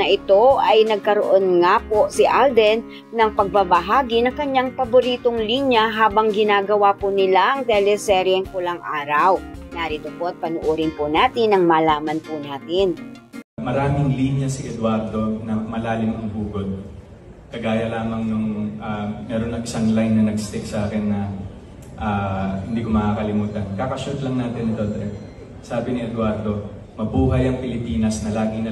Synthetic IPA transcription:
nɐʔɪt̪o̞ʔɐjnɐɡ̚kɐɾo̰ʔonŋaposɪʔald̪ɛn | nɐŋpɐɡ̚babɐɦaːɡinɐŋkɐɲjaŋpɐbʊɾiːt̪o̞ŋliːnjɐɦaːbɐŋɡɪnaːɡɐwapʊnɪlaʔɐŋt̪ɛlɛsɛɾjɛŋkʊlɐŋʔaːɾɐwnaɾiːt̪opoʔɐt̪̚pɐnʊʔuɾɪnpʊnaːt̪ɪnːɐŋmɐlaːmɐnpʊnaːt̪ɪn | mɐɾaːmɪŋliːnjɐsiʔɛd̪waɾd̪o̞nɐmɐlaːlɪmʔɐŋbuːɡo̞d̪̚ | kɐɡaːjɐlaːmɐŋnʊŋʔanɛːɾo̞nːɐŋʔɪsaŋlajnːɐnɐɡst̪ɛk̚sɐʔaːkɛnːɐ | ʔahɪnd̪iːko̞mɐkakɐlɪmuːt̪ɐnkakɐʃut̪lɐŋnaːt̪ɪnːɪd̪od̪ɾɛ | saːbɪnɪɛd̪waɾd̪o̞ | mɐbuːɦɐjɐŋpɪlɪpiːnɐsnɐlaːɡɪnɐ

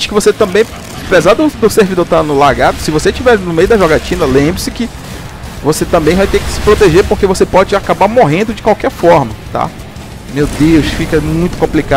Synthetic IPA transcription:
t͡ʃɪ̥kɪvoset̪ɐ̃mbẽj̃ | pezad̪ʊd̪ʊseɾvid̪oɾt̪anʊlaɡad̪ʊsɪvoset͡ʃivɛɾnʊmejʊd̪ɐʒɔɡat͡ʃĩnɐlẽbɾɪsɪkɪ | voset̪ɐ̃mbẽj̃vajt̪ẽkɪ̥sɪ̥pɾot̪eʒepoɾkevosepɔd͡ʒɪakabaɾmoɦẽnd̪ʊd͡ʒɪkwawkɛɾfɔɾmɐt̪a̰ | mewd̪ewsfikɐmũj̃t̪ʊ̥kõplika

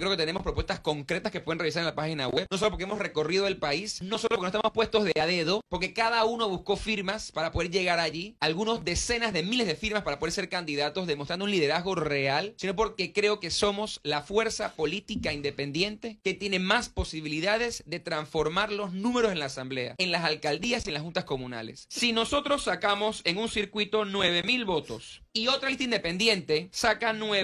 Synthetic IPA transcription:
kɾeoket̪enemospɾopwest̪asko̞ŋkɾe̞t̪askepweðenreisaɾelapaxina̰weβnos̬oopoɾkeemo̞sre̞ko̞riðoelpaisno̞sooloɾknoest̪amospwe̞st̪o̞zðeaðe̞ðo̞po̞ɾke̞kaðauno̞βusko̞fiɾmaspaɾapo̞ð̞e̞ɾʝe̞ɣaɾaʝialɣuno̞zðe̞se̞nazðe̞mile̞zðefiɾmaspaɾapoðeɾse̞ɾkand̪iðat̪o̞zðemost̪ɾand̪unliðe̞ɾazɣo̞realsino̞po̞ɾke̞kɾe̞o̞ke̞so̞mo̞slafwe̞ɾsapo̞lit̪ikaind̪e̞pẽ̞nd̪je̞nt̪e̞ke̞t̪je̞ne̞maspo̞siβiliðað̞e̞zðe̞t̪ɾaɱfo̞ɾmaɾlo̞znũme̞ɾose̞nlaːsamble̞a̰eŋlasalkald̪iasienlasxunt̪asko̞mũna̰le̞̰sːino̞so̞t̪ɾo̞sːakamo̞se̞ŋuŋsiɾkwit̪o̞nwe̞βe̞milβo̞t̪o̞̰sio̞t̪ɾalist̪aind̪epe̞nd̪je̞nt̪e̞sakanwe

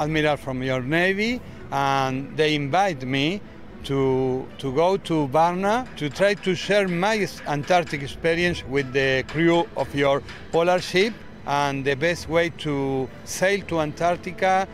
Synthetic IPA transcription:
admiɾalfɾɔ̃mjoɾnejvi | ãnd̪ejĩɱvajt̪mi | t̪ʰut̪uɡot̪ʰubaɾnat̪ut̪ɾajt̪uʃɛɾmajsãnt̪aɾt̪ikekspiɾiẽnswiðekɾuɔfjoɾ | polaɾʃip | ãnd̪əbɛst̪wejt̪ʰu | sejlt̪uãnt̪aɾt̪ika

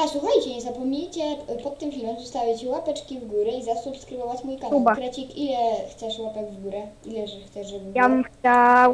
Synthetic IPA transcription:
aswuxajt͡ɕɛɲɛzapɔmɲejt͡ɕɛpɔt̪ːɘmfʲilmɔmzust̪awɛt͡ɕɛwapɛt͡ʂkʲivɡuɾɛizasupskɾɨvɔvat͡ɕmujkaubakɾɛt͡ɕikilɛxt̪sɛʂwapad͡ʑvɡuɾɛilɛʐɛxt̪sɛʂʐɔbjabxt͡ɕaw

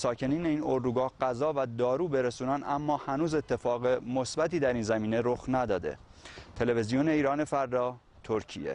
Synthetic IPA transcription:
sɒːcʰe̞niːneiːno̞ɾd̪uːɡɒːhɢ̥æzɒːvæd̪ɒːɾuːbe̞ɾesuːnænd̪æmːɒːhænuːze̞t̪ʰːe̞fɒːɣemosbæt̪iːd̪æɾiːnzæmiːne̞ɾoxnæd̪ɒːd̪e̞̰ | t̪ʰe̞le̞ve̞zijone̞iːɾɒːne̞fæɾd̪ɒː | t̪ʰoɾcʰḭjḛ

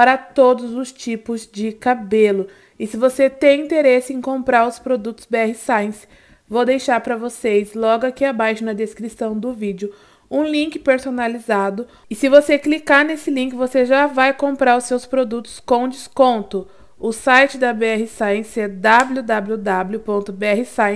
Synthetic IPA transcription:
paɾɐt̪od̪ʊzʊst͡ʃipʊzd͡ʒɪkabelʊ | ɪsɪvoset̪ẽj̃ĩnt̪eɾesɪẽj̃kõpɾaɾʊspɾod̪ut̪ʊ̥zbeɛhɪsaj̃s | vowd̪ejʃaɾpɾɐvosezlɔɡʊakiabajʃʊnɐd̪eskɾisɐ̃w̃d̪ʊvid͡ʒʊ | ũlĩŋkɪ̥peɾsonalizad̪ʊ | ɪsɪvoseklikaɾnesɪlĩkɪvoseʒavajkõmpɾaɾʊssewspɾod̪ut̪ʊ̥skõw̃d͡ʒɪskõnt̪ʊ | ʊsajt͡ʃɪd̪ɐbeɛhɪsaj̃sed̪ablʲud̪ablud̪ablʲʊpõnt̪ʊbeɛɦɪsaj̃

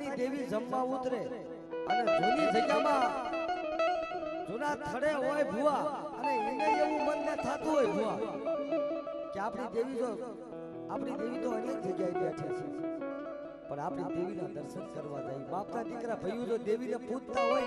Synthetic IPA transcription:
ɽid̪eʋid͡ʒəmːãut̪ɾe | əned͡ʒonid͡ʒʱəɡjamã | d͡ʒonãt̪ʰəɽeɦojbʱuaəneeneeʋũmənːẽt̪ʰat̪ũɦojbʱuʋã | keapɽid̪eʋit̪o | apɽ̃id̪eʋit̪oəñek̚d͡ʒəɡjaibɛʈʰet͡ʃʰe | pəɳapɽid̪eʋinãd̪əɾsənkəɾʋã̰d͡ʒa̰ibapnad̪ikɾabʱəjũd͡ʒ̪od̪eʋineput̪t̪ːaɦoj

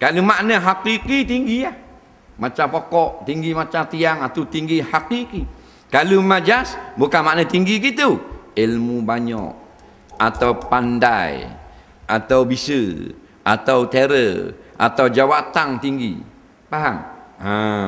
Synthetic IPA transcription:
kalumaʔnəɦakikit̪iŋɡiah | mat͡ʃapokɔʔt̪iŋɡimat͡ʃat̪iaŋat̪at̪iŋɡihakiki | kalumad͡ʒasbukanmaʔnət̪iŋɡik̬it̪uilmubaɲɔ̰k | at̪aupanda̰j̰ | ʔa̰t̪awbisə | ʔa̰t̪aut̪eɾəʔa̰t̪aud͡ʒawat̪aŋt̪iŋɡḭ | paɦaŋa

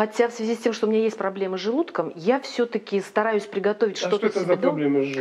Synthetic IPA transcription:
xɐtʲafsvʲɪzʲisʲtʲe̞mʂt̪oumʲɪnʲajesʲtʲpɾɐblʲeməʐɨlˠut̪kəmjafsʲɵt̪əkʲɪst̪ɐɾajʊsʲpɾʲɪɡɐt̪ovʲɪtʲʂt̪o̞t̪əsɪd̪olʲemə

